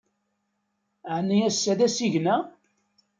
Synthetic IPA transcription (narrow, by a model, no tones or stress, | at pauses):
ʕnːiæsːæðæsiʝnæ